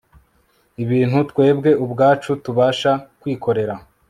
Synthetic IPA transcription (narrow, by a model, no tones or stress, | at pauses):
iβiːnhutkwe̞ːbɡe̞ʔubɡaːt͡ʃutuβaːʃakwiːko̞ɾe̞ɾa